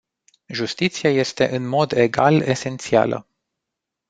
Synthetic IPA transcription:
ʒust̪it̪siaje̞st̪e̞̰ʔɨnmo̞d̪e̞ɡale̞se̞nt̪sia̰lə̰

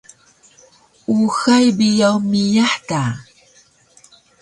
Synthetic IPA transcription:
uxajbijawmijaħta

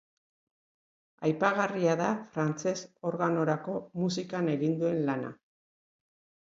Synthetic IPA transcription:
ajpaɣariaðafɾant͡se̞so̞ɾɣano̞ɾako̞musikane̞ɣind̪ue̞nlana̰

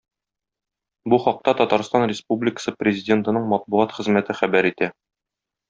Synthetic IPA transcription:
buχɒq̚t̪ɑt̪ɒt̪ɑɾst̪ɑnrʲɪspublʲɪkə̥sɤprʲɪzʲɪdʲe̞nt̪ɤ̆nɤɴmɒt̪̚buɑt̪χɘ̆zmæt̪ɘχæbæɾit̪æ

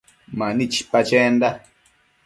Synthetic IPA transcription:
mãnĩt͡ʃi̥pat͡ʃend̪a

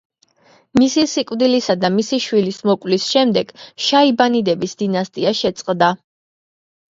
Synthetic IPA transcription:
misisikʼvd̪ilisad̪amisiʃwilismɔkʼwlisʃɛmd̪ɛɡ̥ʃaibanid̪ɛbisd̪̥inast̪ʼiaʃɛt̪sʼqʼd̪a

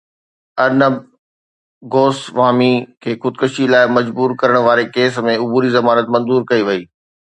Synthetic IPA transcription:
ɐɾnəb | ɡoːsʋaːmikʰeːkʊd̪̚kəʃilaːɪmɐd͡ʑbuːɾkɐɾəɽ̃ʋaːɾekeːs̬mẽʊbuːɾizɐmaːnət̪̚mɐ̃nzuːɾkɐiʋɐiː

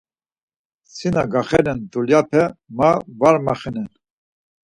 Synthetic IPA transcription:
sinaɡaχɛɾɛnd̪uljapʰɛmavaɾmaχɛnɛn

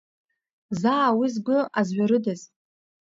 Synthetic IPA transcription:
zaːwizɡʷʊazɥaɾɨdaz

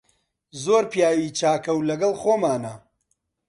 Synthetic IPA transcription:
zoːɾpjaːwit͡ʃaːkɐwlɐɡɐlˠxoːmaːnɐ

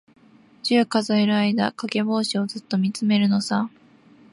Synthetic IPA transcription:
d͡ʑɨːkazo̞eɾɯ̟aid̪a̰kake̞bo̞ːɕio̞zɨt̪ːo̞mʲit͡sɨme̞ɾɯ̟no̞sa

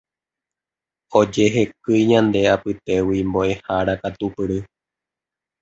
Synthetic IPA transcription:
o̞d͡ʒe̞ɦe̞kɨjɲãnd̪e̞apɨt̪e̞wimboʔe̞haɾakat̪upɨɾɨ

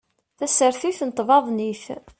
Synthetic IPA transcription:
θæsəɾθiθnət̪ˤːvɑðˤniθ

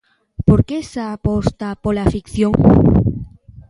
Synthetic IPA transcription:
poɾkesaapost̪apolafikθjoŋ

